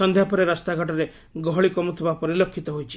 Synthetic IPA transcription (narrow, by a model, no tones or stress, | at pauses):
ɔnd̪ʱjapɔɾeɾast̪aɡʱɔʈɔɾe | ɡɔɦɔɭikɔmut̪ʰibapɔɾilɔkʰːit̪ɔɦojt͡ʃʰi̥